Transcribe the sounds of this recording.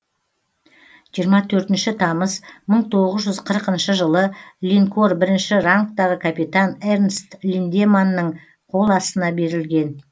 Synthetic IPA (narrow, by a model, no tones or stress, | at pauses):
ʒ̥ijəɾmɑt̪ʰɵɾt̪ɪnʃɪt̪ʰɑməzməɴt̪ʰo̞ʁəzʒʏzqʰəɾəqənʃəʒəlˠəlʲiŋko̞rbɪɾɪnʃɪraŋkt̪ɑʁəkʰapit̪anernst̪lʲind̪emanːəɴ | qʰo̞lˠɑst̪ənɑbe̞ɾɪlɡʲe̞n